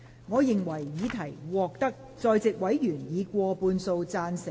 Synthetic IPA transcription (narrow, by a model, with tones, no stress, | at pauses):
ŋɔː˨˧jɪ˨ŋwɐ˨˩jːiː˨˧t̪ʰɐ˨˩jwɔː˨˩k̚t̪ɐ˥k̚ | t͡sɔː˧jt͡sɪ˨k̚wɐ˨˥jjyː˨˩njiː˨˧kʷɔː˧puː˧nso˧wt͡saː˧nsɪ˨˩